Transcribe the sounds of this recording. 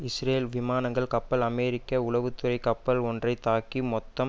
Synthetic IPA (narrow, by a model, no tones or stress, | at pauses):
ɪsreːlʋɪmaːnɐŋɡɐɭkɐpːɐlɐmeːɾɪkːɐʊɭɐʋɯt̪ːɯrɐɪkɐpːɐlɔndrɐɪt̪aːkimɔt̪ːɐm